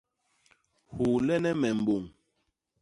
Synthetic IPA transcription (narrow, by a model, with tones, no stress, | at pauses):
hu˨lɛ˦nɛ˦mɛ˨m̩˨bo˨ŋ